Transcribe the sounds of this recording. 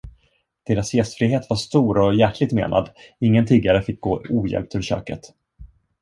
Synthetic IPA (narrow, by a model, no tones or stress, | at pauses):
d̪̥eːɾasjɛst̪fɾiːɦeːt̪vaʂt̪uːɾɔjæʈʰlɪɡ̚t̪mḛːnʔa̰d̪ɪŋːənt̪ʰiːɡaɾəfɪk̚ɡoːuːjɛ̰lp̚t̪ʰɵɾɕø̰ːkə̰t̪